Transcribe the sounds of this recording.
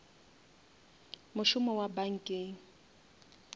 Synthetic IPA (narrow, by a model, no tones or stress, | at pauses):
mʊʃʊmɔwabaŋ̩kʼeːŋ̩